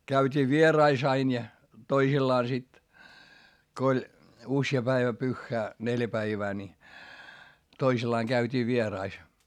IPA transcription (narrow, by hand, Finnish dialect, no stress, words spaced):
kæytʲiː ʋierɑis ɑin jɑ toisilːɑː sit ko olʲ usjɑ pæiʋæ pyxːæː neljæ pæiʋæː ni toisilːɑːŋ ɡ̊æytʲiː ʋierɑis